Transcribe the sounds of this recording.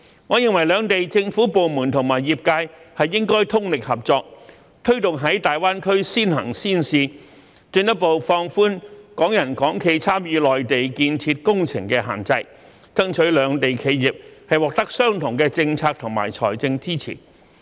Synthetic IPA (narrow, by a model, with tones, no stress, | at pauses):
ŋɔː˨˧jɪ˨˧ŋwɐ˨˩jlœː˨˧ŋt̪e˨jt͡sɪ˧ŋfuː˨˥po˨wmuː˨˩nt̪ʰʊ˨˩ŋmaː˨˩jiː˨p̚kaː˧jhɐ˨jːɪ˥ŋkɔː˥jt̪ʰʊ˥ŋlɪ˨k̚hɐ˨˩p̚t͡sɔː˧k̚ | t̪ʰɵ˥ɥt̪ʊ˨ŋɦɐ˨˥jt̪aː˨jwaː˥nkʰɵ˥ɥsiː˥nɦɐ̰˨˩ŋsiː˥nsiː˨ | t͡ʃy˧nt̪ɐ˥po˨wfɔː˧ŋfuː˥nkɔː˨˥ŋjɐ˨˩nkɔː˨˥ŋkʰe˧jt͡sʰaː˥mjiː˨˧lɔː˨jt̪e˨jkiː˧nt͡sʰiː˧t̚kʊ˥ŋt͡sʰɪ̰˨˩ŋkɛː˧ɦa̰ː˨˩nt͡sɐ˧j | t͡sɐ˥ŋt͡ʃʰɵ˨˥ɥlœː˨˧ŋt̪e˨jkʰe˨˧jjiː˨p̚hɐ˨jwɔː˨k̚t̪ɐ˥k̚sœː˥ŋt̪ʰʊ˨˩ŋkɛː˧t͡sɪ˧ŋt͡sʰaː˧k̚t̪ʰʊ˨˩ŋma̰ː˨˩jt͡sʰɔ̰ː˨˩jt͡sɪ˧ŋt͡siː˥t͡sʰḭː˨˩n